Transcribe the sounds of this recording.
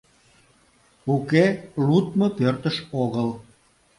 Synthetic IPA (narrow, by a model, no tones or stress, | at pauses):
ukelut̪mopørt̪əʃoɣəl